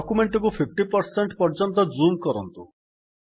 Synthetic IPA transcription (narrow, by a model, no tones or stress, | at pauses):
ɔkumeɳʈɔkupʰip̚ʰʈipɔɾseɳʈpɔɾd͡ʒɔnt̪̬ɔd͡ʒumkɔɾɔ̰nt̪ṵ